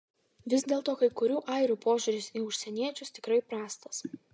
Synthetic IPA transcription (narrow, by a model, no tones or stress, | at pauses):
ʋʲɪzʲd̪ʲeːlˠt̪oːkɐɪkʊɾʲuːʔɐɪɾʲuːpoːʒʲʊɾʲɪsiʊʃʲsʲɛnʲiɛt͡ʃʲʊst̪ʲɪkɾɐɪpɾɑːst̪ɐs